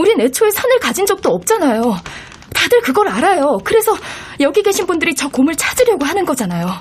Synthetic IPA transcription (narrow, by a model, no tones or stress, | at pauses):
uɾine̞t͡ɕʰoesʰanɯɭkad͡ʑind͡ʑʌk̚t͈oʌp̚t͡ɕ͈anajo | tadɯɭkɯɡʌɾaɾajokɯɾe̞sʰʌ | jʌɡiɡe̞ɕʰinbundɯɾit͡ɕʌkomɯɭt͡ɕʰad͡ʑɯɾjʌɡoɦanɯnɡʌd͡ʑanajo